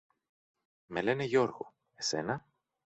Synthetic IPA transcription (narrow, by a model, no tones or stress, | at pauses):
mele̞neʝo̞ɾɣo̰ | e̞se̞̰nɐ